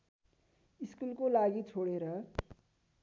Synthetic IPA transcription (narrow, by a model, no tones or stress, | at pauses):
iskulkolaɡit͡sʰoɽeɾʌ